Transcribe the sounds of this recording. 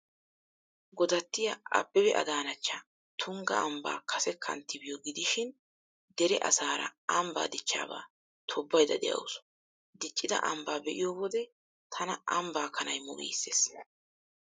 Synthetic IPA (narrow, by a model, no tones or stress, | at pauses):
ɡɔd̪ɐt̪ːɪjɐɐ̰bːɛbɛʔɐ̰d̪aːnɐt͡ʃːɐ | t̪ʰʊŋɡɐ̰ɐmba̰ːkʰɐsɛkʰːɐ̰nt̪ːɪbɪjɔɡɪd̪ɪʃɪn | d̪ɛɾɛʔɐ̰saːɾɐ̰ɐmba̰ːd̪ɪt͡ʃːa̰ːba̰ː | t̪ʰɔbːɐjd̪ɐd̪ɛ̰jɐ̰wsʊ̥ | d̪ɪt͡ʃʼːɪd̪ɐ̰ʔɐmbaːbɛʔɪjowɔd̪ɛ | t̪ʰɐnɐʔɐmbaːkʰɐnɐjmʊʔḭːsːḛːs